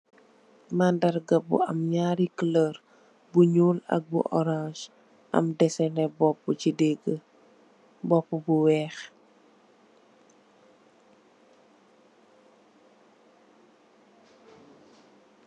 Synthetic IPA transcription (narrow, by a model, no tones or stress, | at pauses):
mandɐɾɡɐbṵɐmɲaːɾikələɾ | buɲuːlɐ̰k̚bṵʔɔɾãʃ | ʔɐ̰mdɛsɛnɛbɔpːucidɛɡə | bɔpːubuwɛːx